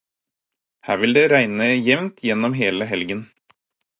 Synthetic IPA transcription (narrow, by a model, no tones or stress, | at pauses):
hæːɾʋɪld̪eːɾæɪnəjɛʋnt̪ʰjɛnːɔmɦeːləɦɛlɡən